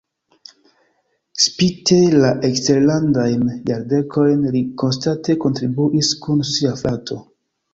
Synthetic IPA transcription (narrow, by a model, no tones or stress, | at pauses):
spite̞laʔekste̞ɾlandajnjaɾde̞kʰo̞jnliko̞nstate̞ko̞ntɾibuʔiskunsiaflatʰo̞